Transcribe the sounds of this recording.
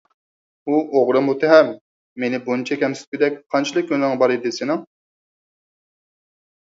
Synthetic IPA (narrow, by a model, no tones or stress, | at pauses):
uʔoʁɾɨmut̪ʰɛɦɛmː | enɪbunt͡ʃʰɛkʲɛmsɪ̥t̪̚bʲid̪ɛk̚ʲqʰɑnt͡ʃʰilˠɨk̚ʲkʲønɪŋbɑɾɨd̪ɪsenɪŋ